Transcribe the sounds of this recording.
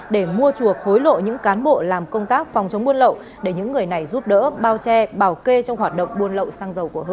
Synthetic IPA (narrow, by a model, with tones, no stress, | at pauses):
ɗe˧˩mu˧ət͡ɕu˨˩ək̚ho˨˦jlo̰˧˨ɲɨ̰˧˥ŋkaː˨˦nɓo̰˧˨laː˨˩mkə˧wŋ͡mt̪aː˦˥k̚fɔ˨˩wŋ͡mt͡ɕə˨˦wŋ͡mɓu˧ənlə̰˧˨w | ɗe˧˩ɲɨ̰˧˥ŋːɨ˨˩əjna˨˩jzu˦˥p̚ɗə̰ː˧˥ɓaː˧wt͡ɕɛ˧ɓaː˧˩wke˧t͡ɕɔ˧wŋ͡mhwaː˨˩t̚ɗə̰˧˨wŋ͡mɓu˧ənlə̰˧˨wsaː˧ŋzə˨˩wku˧˩ə˧